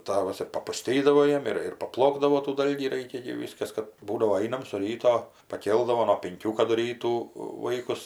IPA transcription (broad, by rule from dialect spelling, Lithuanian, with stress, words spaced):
ˈtɑːʋɐs ɪr pɐpʊˈsʲtʲiːdɐʋoː ˈjiɛm ɪr ɪr pɐˈplˠoːɡdɐʋoː tuː ˈdɐlʲɡʲiː ˈrɐɪkʲɛ ɡʲɪ ˈʋʲiːskɐs ˈkɐt ˈbuːdɐʋoː ˈɐɪnɐm sʊ ˈrʲiːtoː pɐˈkʲeːlˠdɐʋoː nuɔ pʲɪŋʲˈkʲuː kɐdʊ ˈrʲiːtuː ˈʋɐɪkʊs